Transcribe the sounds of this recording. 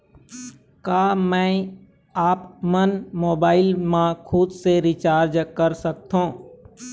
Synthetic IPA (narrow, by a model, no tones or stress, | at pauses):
kaːmɛ̃ː | aːpmənmoːbaːɪlmãkʰʊd̪seɾɪt͡ʃaːɾd͡ʒkəɾsək̚t̪ɦõː